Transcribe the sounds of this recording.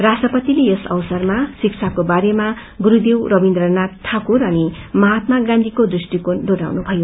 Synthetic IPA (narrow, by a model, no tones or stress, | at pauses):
rasʈʌpʌt̪ilejesʌ̰wsʌrmasikt͡sʰakobaɾema | ɡuɾud̪ewrʌbind̪rʌnat̪ʰːakurʌnimʌɦat̪maɡãnd̪ʱikod̪risʈikonɖoɾa̰wnubʱʌjo